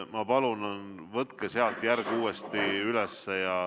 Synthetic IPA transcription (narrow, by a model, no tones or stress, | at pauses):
mɑpɑlunɑnvɤt̪keseɑlt̪jærɡ̥uːest̪iylɛsːejɑ